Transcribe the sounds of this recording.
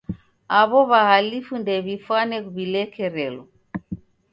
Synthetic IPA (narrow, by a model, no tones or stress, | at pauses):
aβɔβahalifundɛβifwanɛkuβilɛkɛɾɛlɔ